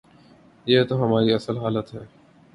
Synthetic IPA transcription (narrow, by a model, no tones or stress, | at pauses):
jeːt̪oːɦəmaːɾiːəsəlɦaːlət̪ɦɛː